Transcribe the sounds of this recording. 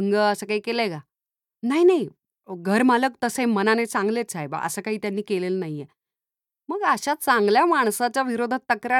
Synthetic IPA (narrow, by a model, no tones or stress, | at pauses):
ŋɡəəsəːkaɦiːkeleɡa | naɦinaɦi | ɡʱəɾmalək̚t̪əsẽmənanet͡sãŋɡlet͡sʰajba̰ə̰səkaɦiːt̪janːiːkelelnaɦiːe | məɡaɕat͡saŋɡljamaɳ̃sat͡ɕaʋiɾod̪ʱat̪ːəkɾa